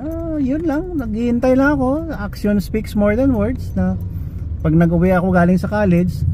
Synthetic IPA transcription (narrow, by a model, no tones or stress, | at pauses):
ʔo | jʊnlaŋnɐɡɪhɪnt̪ɐjlɐŋɐko̞ʔakʃonspiksmoɹd̪ɐnwɛɹd̪snɐ | pɐɡ̚nɐɡʔʊwɛʔɐko̞ɡaːlɪŋsɐkaːlɛd͡ʒ